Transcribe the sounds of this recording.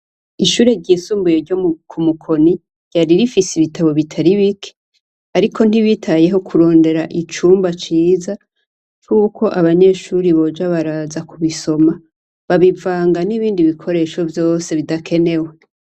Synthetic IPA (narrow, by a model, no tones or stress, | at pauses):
iʃuːɾe̞ɾɟiːsuːmbujoɾɟomukʰumukʰo̞ni | ɟ̥aɾiɾifisiβitʰaβo̞βitʰaɾiβikʰe̥ | aɾikʰo̞n̥iβitʰaje̞ɦo̞kʰuɾo̞ːnde̞ɾaʔit͡ʃuːmbat͡ʃiːza | kuːkʰo̞ʔaβaɲe̞ʃuɾiβo̞d͡ʒaβaɾaːzakuβiso̞ma | βaβivaːŋɡaniβiːndiβikʰo̞ɾe̞ʃo̞vjo̞ːse̞βidakʰe̞ne̞we